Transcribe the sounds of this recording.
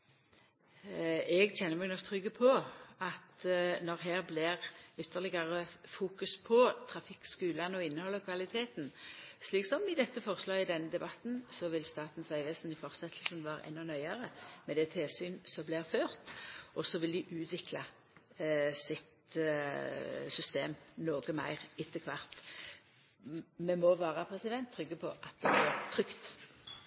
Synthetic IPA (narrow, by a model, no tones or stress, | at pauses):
ɛɡc͡çɛnːəmɛɡnɔk̚t̪ʰɾʏɡːəpʰɔɑt̪nɔʁɦæːʁblɪʁʏt̪ʰːəʁlɪɡɑʁəfuːkʉspʰɔt̪ʰɾɑfɪkːskʉːlɑnɔɪnːəhɔlːɑkʰʋɑlɪt̪ʰeːt̪nsliːksɔmɪd̪ɛt̪ːəfɔʁəslɑːɪd̪ɛnːəd̪ɛbɑt̪nsɔʋɪlst̪ɑːt̪n̩sæɪʋeːsən̩ɪfɔʁsɛt̪ʰl̩sənʋɑːɾə̰ʔɛ̰nːʊnœʏɑɾəmɛd̪ɛt̪ʰeːsyːnsɔblɪʁføːʁt̪ɔsɔʋɪld̪ɪʔʉːt̪ʰʋɪkʰlɑ | sɪt̪ | sʏst̪eːmnoːɡəmæ̰ɪʁɪt̪ʰːəkʰʋɑʁt̪ | mɛmɔʋɑːʁəpʰɾɛsɪd̪ɛnt̪ʰːʁʏɡːəpʰɔʔɑt̪̚d̪ɛb̪ɪʁt̪ʰɾʁʏkt̪